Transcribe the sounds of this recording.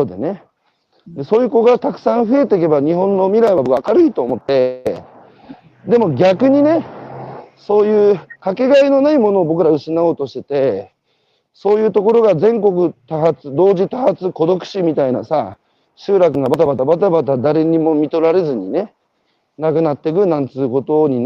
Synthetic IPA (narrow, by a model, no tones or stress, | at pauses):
oːd̪ene̞ | d̪eso̞ːjɯ̟ːko̞ɡat̪akɯ̟̥sãɰ̃ɸɯ̟e̞t̪e̞k̬e̞baɲ̟iɦõ̞nːo̞mʲiɾaiβaakaɾɯ̟it̪o̞ːmo̞t̪ːe̞ | d̪e̞mo̞ɡʲakɯ̟ɲ̟ine̞ | so̞ːjɯ̟ːkake̞ɡaino̞naimo̞no̞ːbo̞k̬ɯ̟ɾaɯ̟ɕinao̞ːt̪o̞ɕi̥t̪e̞̥t̪e̞ | soːjɯːt̪o̞ko̞ɾo̞ɡazẽ̞ŋko̞k̬ɯ̟t̪aɦat͡sɨd̪o̞ːʑit̪ahat͡sɨko̞d̪o̞kɯ̟̥ɕimʲit̪aina̰sa | ɕɨːɾak̬ɯ̟ɡabat̪abat̪abat̪̬abat̪̬ad̪aɾe̞ɲ̟imo̞mʲit̪o̞ɾaɾe̞zɨɲ̟ine̞ | nakɯ̟nat̪ːe̞k̬ɯ̟nãnt͡sɨko̞t̪o̞ɲ̟i